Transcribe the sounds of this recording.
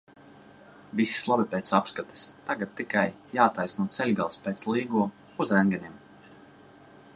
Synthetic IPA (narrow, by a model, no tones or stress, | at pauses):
visi̥slˠabipeːt̪sapskat̪ɛ̥st̪aɡat̪̚ːikaj | jaːt̪ajsnuɔt̪sɛlʲɡalˠspɛːt̪slˠiːɡuɔ | uzɾɛŋɡʲɛnʲiɛm